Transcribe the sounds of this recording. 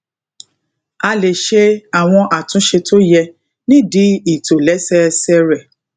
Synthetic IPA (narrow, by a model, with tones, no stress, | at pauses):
a˧le˨ʃe˧a˨w̃ɔ̃˧ʔa˨tũ˨˦ʃe˧tʰo˦jɛ˧ | nĩ˦di˨˦i˦˨to˨lɛ˨˦sɛ˦˧sɛ˧ɾɛ˨